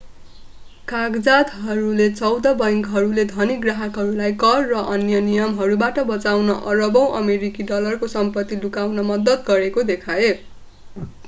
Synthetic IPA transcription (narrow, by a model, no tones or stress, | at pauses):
kaɡd͡zat̪ɦʌɾulet͡sʌwd̪ʌbʌjŋkɦʌɾuled̪ʱʌniɡraɦʌkɦʌɾulajkʌrːʌʔʌnjʌnijʌmɦʌɾubaʈʌbʌt͡sawnʌʔʌrʌbʌw̃ʔʌmeɾikiɖʌlʌrkosʌmpʌt̪ːilukawnʌmʌd̪ʌt̪ɡʌɾekod̪ekʰae